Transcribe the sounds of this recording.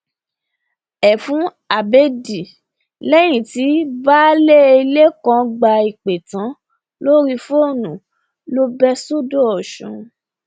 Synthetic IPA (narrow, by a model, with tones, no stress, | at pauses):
ɛ˨fũ˨˦ | a˨be˦di˨ | lɛ˦j̃ĩ˨ti˨˦ba˦le˦i˧le˦kã˧ɡ͡ba˧i˨k͡pe˨tã˨˦ | lo˦ɾi˦fo˦˨nũ˨ | lo˦bɛ˦so˦do˦ɔ˨ʃṵ̃˨˦